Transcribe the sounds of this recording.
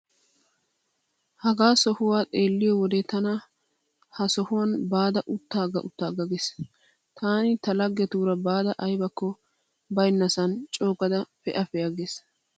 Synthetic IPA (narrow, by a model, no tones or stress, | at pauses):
hɐɡaːsɔhʊwaːt̪ʼeːlːɪjɔwɔd̪ɛt̪ɐnɐ | hɐsɔhʊwɐnbaːd̪ɐʔʊt̪ːaːɡɐʔʊt̪ːaːɡɐɡes | t̪ʰaːnɪt̪ɐlɐɡːɛt̪uːɾɐbaːd̪ɐʔɐjbɐkːɔ | bɐjnːɐsɐnt͡ʃʼo̞ːkʼɐd̪ɐfɛʔɐfɛjɐɡeːs